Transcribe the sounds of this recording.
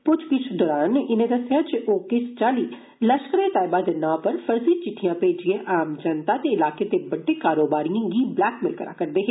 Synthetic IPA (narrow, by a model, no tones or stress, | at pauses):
pʊt͡ʃʰkɪt͡ʃʰd̪ɔːɾaːnɪnẽːd̪əsjaːd͡ʒɪʔoːkɪst͡ʃaːliː | ləʃkəɾẽːt̪aːɪbaːd̪nãːpəɾfʰəɾziːt͡ʃɪʈʰːijãːpeːd͡ʒɪẽːʔaːmd͡ʒənt̪aːt̪eːɪlaːkeːt̪eːbəɖːeːkaːɾoːbaːɾijãɡiːblɛːkmɪlkəɾa̰ːkəɾd̪eːɦe